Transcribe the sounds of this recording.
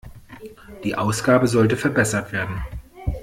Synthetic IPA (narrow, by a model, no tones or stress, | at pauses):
d̥iːʔaʊsɡ̥aːbəzɔltəfɛɐbɛsɐtv̥eːɐdn̩